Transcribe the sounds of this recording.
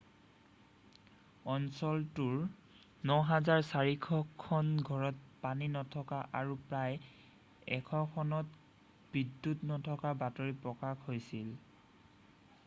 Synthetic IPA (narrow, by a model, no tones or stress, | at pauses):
ɔnsɔltuɹ | nɔɦazaɹsaɹikʰɔkʰːɔnɡʱɔɹɔt̚paninɔtʰɔkaʔaɹupɹaj | ɛ̰kʰɔkʰɔnɔt | b̥idːutnɔtʰɔkabatoɹipɹɔkakhojsil